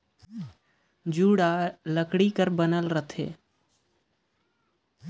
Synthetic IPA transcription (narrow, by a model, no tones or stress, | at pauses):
d͡ʒuːɽaləkɽikəɾbənəlɾət̪ʰḛː